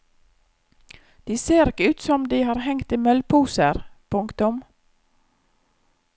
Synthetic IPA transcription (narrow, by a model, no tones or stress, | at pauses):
d̪̥iːseːɾɪkəʉːt̪sɔmd̪iːhɑːɾhɛŋt̪iːmœlpʰuːsəɾpʰʊŋkt̪ʊm